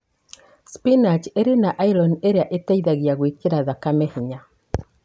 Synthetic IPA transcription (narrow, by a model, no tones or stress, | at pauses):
spinat͡ʃeɾenaʔailɔneɾeaʔetaiðaɣiaɣwikeɾaðakamehiɲa